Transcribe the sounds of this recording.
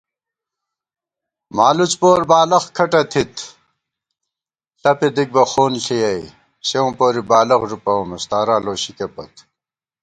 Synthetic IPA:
maːlut͡spoːɾbaːlɐxkʰɐʈɐt̪ʰit̪ʰ | ɬɐped̪ik̚bɐxoːnɬijɐi | ɕeõːpoːɾibaːlɐxʐupɐomest̪aːɾaːloːɕikepɐ̰t̪

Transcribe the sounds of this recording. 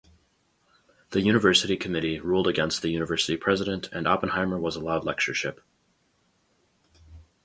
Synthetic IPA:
ðɨjʉñɨvɜ˞sɨɾikʰɨmɪɾiɹulˠdəɡɛ̃nst̪̚ðɨjʉnɨvɜ˞sɨɾipʰɹ̥ɛzɨɾɨ̃ntʰɨ̃nɑpə̃n̩hãɪmə˞wʌzəlaʊdˡlɛk̚t͡ʃə˞ʃɪp

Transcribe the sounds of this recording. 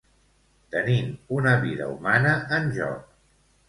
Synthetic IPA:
t̪ənimunəβiðə̰umanəʔənʒɔ̰k̚

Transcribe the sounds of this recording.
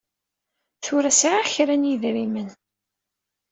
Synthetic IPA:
θʊɾæsʕaçɾænjiðɾimən

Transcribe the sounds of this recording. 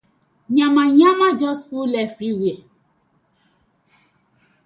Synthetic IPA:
ɲamaɲamad͡ʒɔskulɛfɾiwie

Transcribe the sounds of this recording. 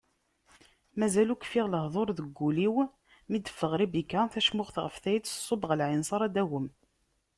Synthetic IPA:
mæzælukfiʁləhðˤoɾˤðəɡːuliw | mid̪əfːəʁɾibikːaθæʃmʊʁθʁəfθæjsˤːobəʁəlʕɪnsˤɑɾˤæd̪æwəm

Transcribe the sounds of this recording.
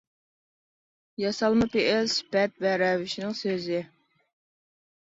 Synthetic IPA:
jɑsɑlˠmɨpeʔɪlsb̥ɛt̪̚vɛɾɛvɪʃnɪŋsøzɪ

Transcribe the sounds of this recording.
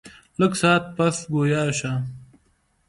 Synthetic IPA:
ləksaːt̪̚pɐsɡoːjaːɕaː

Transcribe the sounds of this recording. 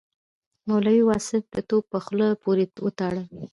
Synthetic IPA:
malawiwɑsɪfd̪ət̪oɡ̚pəxlapoɾewət̪ɑɽə

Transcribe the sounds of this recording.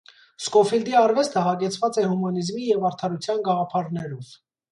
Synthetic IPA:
skɔfild̪iɑɾvɛst̪ʰəɦɑɡɛt͡sʰvɑt͡sɛhumɑnizmijɛvɑɾt̪ʰɑɾut͡sʰjɑnɡɑʁɑpʰɑɾnɛɾɔv̥

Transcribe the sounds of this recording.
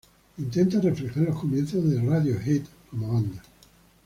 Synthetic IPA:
int̪ent̪areflexaɾlohkomjenθozðeraðjohet̪komoand̪a

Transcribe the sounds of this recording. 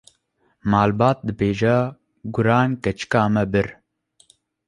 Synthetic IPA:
maːlbaːt̪̚d̪ɨbeːʒɛ | ɡʊɾaːnkɛt͡ʃkaːmɛbɨɾ

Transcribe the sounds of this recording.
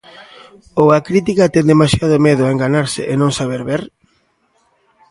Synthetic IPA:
owakɾit̪̬ikat̪ɛnd̪emasjað̞ʊmeðʊaeŋɡanaɾsɪ̰ʔenõŋsaβ̞eɾβeɾ

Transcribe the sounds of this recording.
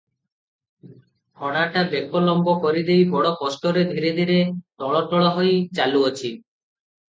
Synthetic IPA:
hɔɽaʈabekolɔmbokɔɾid̪ejbɔɽɔkɔsʈoɾed̪ʱiɾed̪ʱiɾet̪ɔɭɔʈɔɭɔɦojt͡ɕaluot͡ɕʰi

